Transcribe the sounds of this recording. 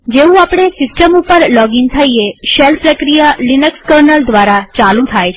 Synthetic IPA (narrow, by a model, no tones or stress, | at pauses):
d͡ʒeũapɽ̃esɪsʈəmupəɾlɔɡint̪ʰaieʃɛlpɾəkɾijalinəkskəɾnəld̪ʋaɾat͡ʃalũt̪ʰajʰ